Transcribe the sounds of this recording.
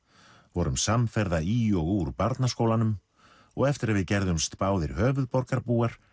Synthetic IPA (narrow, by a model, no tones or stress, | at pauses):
vɔɾʏmsamfɛɾðaiɔɣuɾpaɾt̪naskoːwlanʏm | ɔɣɛft̪ɪɾaðvɪðcɛɾðʏmst̪paːwðɪɾ̥hœːvʏðpɔɾkaɾpuːaɾ̥